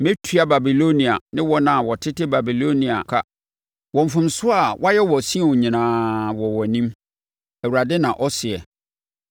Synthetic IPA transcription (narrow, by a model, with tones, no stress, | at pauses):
mẽ˦tʰɥa˦ba˨bi˨lo˦nĩ˨a˨nɪ̃˦wɔ˦nã˨wɔ˨tʰɪ˦tɪ˦ba˨bi˨lo˦nĩ˨a̰˨kʰa˦ | wɔ̃˨ɱ˨fʊ̃˨msʊ˦a˨wʔa˦jɛ˦wɔ˨sĩ˦˨ɔ˨ɲĩ˨nãː˨wɔ˨wɔ˨nĩ˦m | æ˨wu˨ɾa˨dɪ˦nã˨ʔɔ˦sɪ˨ɛ˨